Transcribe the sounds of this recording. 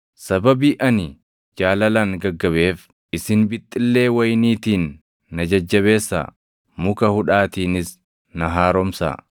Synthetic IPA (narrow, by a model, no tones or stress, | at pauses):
sɐbɐbiːʔɐnɪ | d͡ʒaːlɐlɐŋɡɐɡːɐβe̞ːf | ɪsɪnbɪt̪ʼːɪlːe̞ːwɐjniːt̪iːnː | ɐd͡ʒɐd͡ʒːɐβe̞ːsːa̰ | mʊkɐhʊᶑaːt̪iːnɪs | nɐɦaːɾɔmsa̰ː